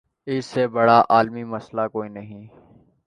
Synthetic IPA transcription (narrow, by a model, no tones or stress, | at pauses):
ɪsːebɐɽaːʔaːlmimɐslakoːiːnɐɦĩː